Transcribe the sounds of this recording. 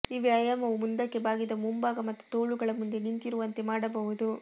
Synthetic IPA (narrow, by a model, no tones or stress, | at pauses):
iʋeɐjɐmɐʋumund̪ɐkːe̞baːɡid̪ɐmumbaːɡɐmɐt̪ːu̥t̪oːɭuɡɐɭɐmund̪e̞nint̪iɾuʋɐnt̪e̞maːɽɐbɐɦud̪u